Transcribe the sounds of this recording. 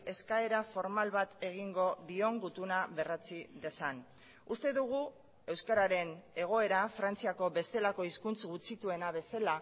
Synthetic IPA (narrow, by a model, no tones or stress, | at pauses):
e̞skae̞ɾafo̞ɾmalβat̪e̞ɣ̞iŋɡo̞ðio̞ŋɡut̪unaβe̞rat͡siðe̞san | ust̪e̞ðuɣ̞u | e̞wskaɾaɾe̞ne̞ɣ̞o̞e̞ɾafɾant͡siako̞βe̞st̪e̞lako̞iskunt͡sɣut͡sit̪ue̞naβe̞sala